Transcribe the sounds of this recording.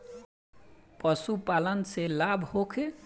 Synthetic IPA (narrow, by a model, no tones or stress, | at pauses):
pʌsupalənselabʱhokʰe